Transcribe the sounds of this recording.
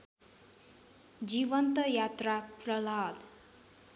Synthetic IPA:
d͡ziβʌnt̪ʌjat̪raprʌlad̪

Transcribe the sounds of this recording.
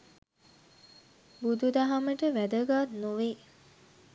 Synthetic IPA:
bud̪ud̪aɦaməʈəʋæd̪əɡat̪noʋeː

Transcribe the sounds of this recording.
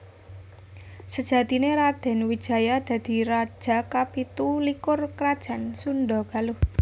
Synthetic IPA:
səd̥ʒ̥ä̤t̪ineɾad̪̥ɛ̤nwid̥ʒ̥a̤jad̪̥a̤d̪̥i̤ɾad̥ʒ̥a̤kapit̪ulikʊrkɾad̥ʒ̥ä̤nsunɖɔɡ̥alʊh

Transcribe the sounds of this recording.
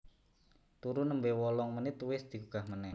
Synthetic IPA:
t̪uɾunəmbewɔlɔŋmənɪt̪uwɪsd̪̥i̤kuɡ̥ahmənɛ

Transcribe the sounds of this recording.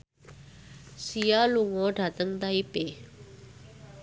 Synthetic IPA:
sijaluŋɔ̃ɖʱat̪əŋd̪aipe

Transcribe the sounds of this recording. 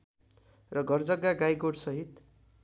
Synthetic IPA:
rʌɡʱʌrd͡zʌɡːaɡajɡoɽsʌɦit̪

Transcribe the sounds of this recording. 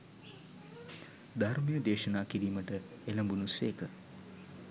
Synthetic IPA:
d̪armijəd̪eːʃɐnaːkiɾiːməʈə | elɐmbunuseːkə

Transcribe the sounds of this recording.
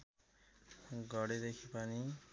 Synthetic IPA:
ɡʱʌɽed̪ekʰipʌni

